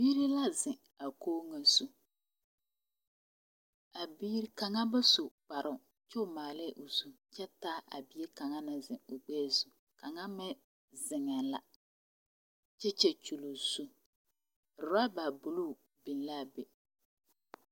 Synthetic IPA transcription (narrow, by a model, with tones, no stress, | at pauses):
biː˦ɾɪ˦la˦zɪ̃˨ | a˨koː˦ŋa˨su˦ | a˨biː˦ɾka˨ŋa˦ba˦su˨k͡pa˨ɾʔʊ˨ | t͡ʃɛ˦ʊ˨maː˨lɛ˦˨ʔo˨su˦ | t͡ʃɛ˦taː˦ʔa̰˨bi˨˦e˦ka˨ŋa˦na˨zɪ˨ʊ˨ɡ͡bɛː˦˨zu˨ | ka˨ŋa˦mɛ˦ | zɪ˨ŋɛ˨la̰˨ | t͡ʃɛ˦t͡ʃɛ˦t͡ʃu˨lo˨z̥u˦˨ | ɾʊ˨a˦ba˨bu˨lu˦˨ | bi˨n˦la˦˨be˨